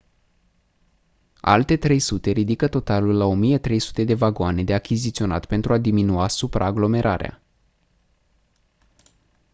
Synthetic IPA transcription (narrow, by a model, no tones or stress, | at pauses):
a̰lt̪e̞t̪ɾe̞jsut̪e̞ɾid̪ikət̪o̞t̪alulːao̞mijet̪ɾe̞jsu̥t̪e̞d̪e̞vaɡoane̞d̪e̞akʲizit̪sio̞na̰t̪pe̞nt̪ɾuad̪iminuasupɾa̰ːɡlo̞me̞ɾʔa̰ɾea̰